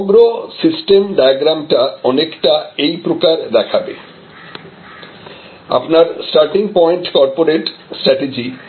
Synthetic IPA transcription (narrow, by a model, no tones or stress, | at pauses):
ɡɾosisʈemɖajaɡɾamʈaɔnekʈaejpɾokaɾd̪ɛkʰabḛ | a̰pnaɾsʈaɾʈiŋpɔeɳʈkɔɾpoɾeʈsʈɾɛʈed͡ʑi